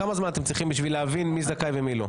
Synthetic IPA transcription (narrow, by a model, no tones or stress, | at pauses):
amazmanat̪emt͡sʁiχimbiʃvileavinmizd̪akajvemilo